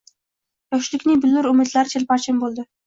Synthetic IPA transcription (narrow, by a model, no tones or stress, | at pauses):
jɒkʃɪlɪkʲnɪŋbɪlːʊɾʊmɪd̪laɾɪt͡ʃʰelpaɾt͡ʃʰɪmbolˠd̪ɪ